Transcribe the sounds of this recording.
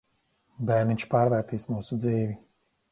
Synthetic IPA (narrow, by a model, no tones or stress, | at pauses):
bɛɾniɲʲt͡ʃpaːɾvæːɾt̪iːsmuːsud̪ziːvi